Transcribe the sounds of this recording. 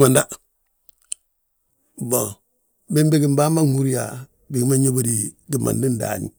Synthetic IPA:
ma˨nda˦ | bo˨ | bi˦mbɡi˨mba˦ma˦ŋu˦ɾi˦ja˨ | bi˨ɡi˦ma˦ɲo˦bo˦di˨ | ɡi˨ma̰˨ndi˦nda̰˨ɲḭ˨

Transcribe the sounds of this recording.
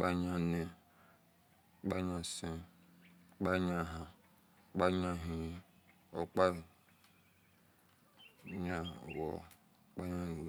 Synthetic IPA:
k͡pa˦ɲã˦ne˨ | k͡pa˦ɲã˦sẽ˦ | k͡pa˦ɲã˦ɦã˨ | k͡pa˦ɲã˦ɦĩ˨˦ | o̰˨k͡pa˦˨ | ɲa˦˨wɔ̰˨ | k͡pa˦ɲa˦˨

